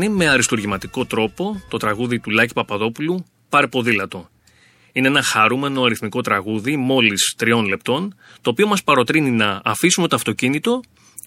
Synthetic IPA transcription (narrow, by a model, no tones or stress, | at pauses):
ime̞ɐɾist̪uɾʝimɐt̪iko̞t̪ɾo̞po̞t̪o̞t̪ɾɐɣuðit̪ulɐci̥pɐpɐðo̞pulu | pɐɾepo̞ðilɐt̪o̞ | ineenɐxɐɾume̞no̞ɐɾiθmiko̞t̪ɾɐɣuðimo̞list̪ɾio̞nle̞p̚t̪o̞nt̪o̞ːpio̞mɐspɐɾo̞t̪ɾininɐːfisume̞t̪oɐft̪o̞cinit̪o̞